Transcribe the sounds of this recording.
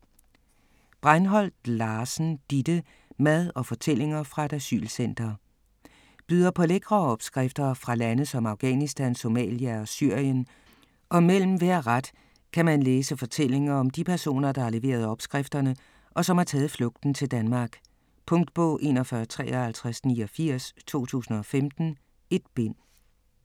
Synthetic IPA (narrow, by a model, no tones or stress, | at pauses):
b̥ʁɑɪnɦɒ̽l̰d̥lɑːsn̩d̥id̥ə | mæðˠɒ̽fɒ̽t͡sʰel̰e̝ŋɐfʁɑ̈ed̥æsy̰ːlsen̰d̥ɐ | b̥yːðˠɐpʰɒ̽leɡ̥ʁɐːɒ̽b̥sɡ̥ʁafd̥ɐfʁɑ̈lænəð̩ˠsɒ̽mɑ̈ʊɡ̥ɛ̰nisd̥ænso̝mɛ̰ːljæɒ̽syɐ̰jən | ʔɒ̽mel̰m̩ʋæɐ̰ʁad̥ | kʰæmænleːsəfɒ̽t͡sʰel̰e̝ŋɐɒ̽md̥ipʰæɐso̝̰ːnɐd̥ɑ̈hɑ̈le̝ʋe̝̰ːɐð̞ˠɒ̽b̥sɡ̥ʁɛfd̥ɐnə | ʔɒ̽sɒ̽mhɑ̈t͡sʰɛːð̩ˠflɔ̽ɡ̥̚d̥n̩t͡sʰe̝ld̥ænmɑ̈ːɡ̥ | pʰɔ̽ŋ̰d̥̚b̥ɔ̰̽ʊʔe̝nɒ̽fɶɐt͡sʰʁɛ̰ːɒhælt͡sʰʁasniːɒfiɐ̰st͡sʰo̝̰ːt͡sʰṵːsn̩ɒ̽femd̥n̩ | e̝d̥b̥e̝n̰